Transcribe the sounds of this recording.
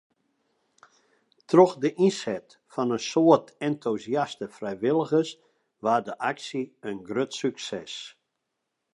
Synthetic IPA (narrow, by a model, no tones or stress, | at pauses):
tʰrɔxdəʔinsɛt | fɔnənsoərtɛntʰuziastəfrɛjʋɪlˠəɣəs | ʋaːdəʔaksiənɡrøtsyksɛs